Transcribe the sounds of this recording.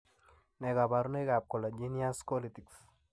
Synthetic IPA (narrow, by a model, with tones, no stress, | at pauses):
nɛ˨ɡa˨ba˨ɾne˦ɡa˨p̚ko˨la˨d͡ʒi˦nia˦spo˦li˨ti˨ks